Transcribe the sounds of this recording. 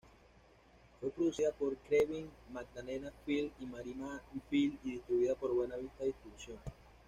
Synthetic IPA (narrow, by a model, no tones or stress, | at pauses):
fwepɾoðusiðapoɾkɾeβiŋmaɡ̚d̪alenafilimaɾinafiliðist̪ɾuβiðapoɾβwenaβist̪aðist̪ɾiβusjoŋ